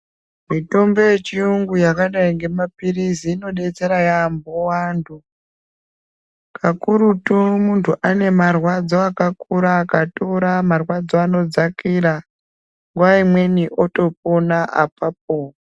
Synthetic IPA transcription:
mito̞mbe̞jet͡ʃiuŋɡujakaɗaiŋɡe̞mapiriziːno̞ɗe̞t͡se̞ɾajambowaːndu | kʰakuɾutumuntʰuʔane̞marwad͡zoakakuɾaːkatoɾamarwad͡zoano̞d͡zakiɾa | ŋɡwaimwe̞niʔo̞to̞p̚onaʔapap̚o

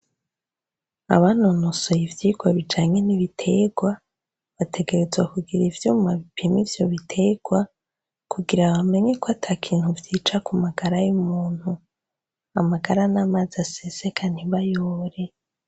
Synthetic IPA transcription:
a̰βanonoso̞jivjiːɡ̥waβid͡ʒaːɲe̞niβitʰe̞ɡwa | βatʰe̞ɡe̞ɾe̞zwakuɡiɾivjuːmaβipʰimivjo̞βitʰe̞ɡ̥wa | kʰuɡiɾaβame̞ɲe̞koatʰakʰiːn̥huvjiːt͡ʃakumaɡaɾajumuːn̥hu | amaɡaɾanamazasese̞kʰan̥iβajoːɾe̞

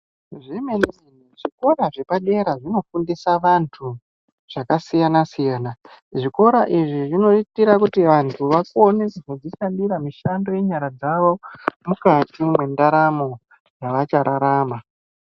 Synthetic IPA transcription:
ʐimeniʐin̤uʐiko̞ɾaʐe̞paɗe̞ɾaʐino̞fundisaʋantʰu | ʐ̥akasijanasijaːna | ʐiko̞ɾaʔiʐiʐino̞itiɾakutiʋantʰuʋakoneskod͡ziʃandiɾamiʃando̞je̞ɲaɾad͡zaʋo̞mukatimwe̞ndaɾamo̞ | jaʋat͡ʃaɾʔaɾaːma

